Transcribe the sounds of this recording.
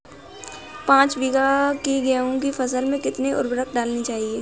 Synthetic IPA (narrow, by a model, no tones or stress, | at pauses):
pãːt͡ʃbiːɡakiɡɛũkifɐs̬əlmẽkɪt̪neʔʊ̰ɾbɾəkɖaːlnit͡ʃaːɦieː